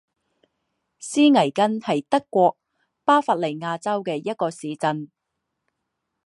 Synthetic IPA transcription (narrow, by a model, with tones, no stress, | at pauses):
siː˥ŋɐ˨˩jkɐ˥nhɐ˨jt̪ɐ˥kːʷɔː˧k̚ | paː˥fa˧t̚le˨˩jŋaː˧t͡sɐ˥wkɛː˧jɐ˥t̚kɔː˧siː˨˧t͡sɐ˧n